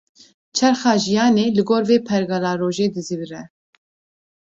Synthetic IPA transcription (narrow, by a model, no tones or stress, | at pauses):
t͡ʃʰɛɾxɑːʒijɑːneːlɨɡoːɾveːpʰɛɾɡɑlɑːɾoːʒeːd̪ɨzivɾɛ